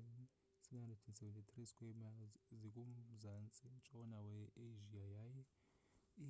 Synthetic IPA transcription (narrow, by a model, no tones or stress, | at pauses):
n | sinahandretʰinsɛvɛntʰʼit̪ʰʼriskʼwɛmazik̬ʼumzant͡sʼint͡ʃʼɔnawɛeʒiajaːjɛ